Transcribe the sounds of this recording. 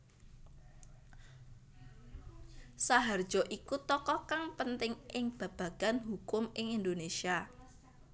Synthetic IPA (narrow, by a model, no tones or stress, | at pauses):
saɦard̥ʒ̥ɔʔikut̪ɔkɔkaŋpənt̪ɪŋɪŋb̥a̤b̥a̤ɡ̥anɦukʊmɪŋind̪onesia